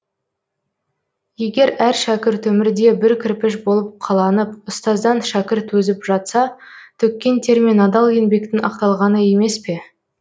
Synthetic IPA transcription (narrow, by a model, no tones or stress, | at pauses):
je̞ɡʲe̞ɾæɾʃækʲɪɾt̪ɵmɪɾd̪e̞bɪɾkʲʰɪɾpɪʃbo̞lˠəp̚qʰɑlˠɑnəp̚ʊst̪ɑzd̪ɑnʃækʲɪɾt̪wɵzɪpʒɑt̪sɑt̪ʰʏkʲːe̞nt̪ʰe̞ɾminɑd̪ɑlˠje̞nbe̞k̚t̪ɪnɑ̰qt̪ɑlˠʁɑnəje̞me̞spe̞